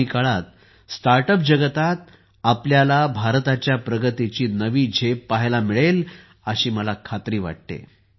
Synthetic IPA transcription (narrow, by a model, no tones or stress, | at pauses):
ikaɭat̪̚ | st̪aɾʈəp̬̚d͡ʑəɡət̪at̪̚ | apljalabʱaɾt̪at͡ɕjapɾəɡət̪it͡ɕiːnəʋiːd͡ʑʱepaɦlamiɭel | əɕiːməlakʰat̪ɾiːʋa̰ʈ̚t̪ḛ